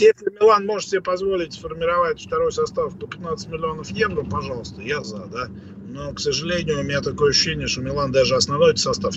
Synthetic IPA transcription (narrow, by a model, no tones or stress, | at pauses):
jesʲlʲɪmʲɪlˠanmo̞ʐət̪sʲɪbʲepɐzvo̞lʲɪtʲfərmʲɪɾɐvatʲft̪ɐɾo̞jsɐst̪afpəpʲɪt̪nat̪sə̥tʲmʲɪlʲɪo̞nəfjevɾəpɐʐɑlˠəst̪əjazad̪a | noksəʐɨlʲenʲɪjʊʊmʲɪnʲat̪ɐko̞jəɐɕʊːɕːenʲɪəʂt̪omʲɪlˠand̪aʐɨɐsnɐvnojt̪ʲsɐst̪af